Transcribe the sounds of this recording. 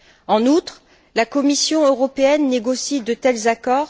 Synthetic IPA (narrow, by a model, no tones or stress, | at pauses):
ɑ̃nut̪χ | lakɔmisjɔ̃øʁɔpeɛnːeɡɔsid̪ət̪ɛlzakɔːʁ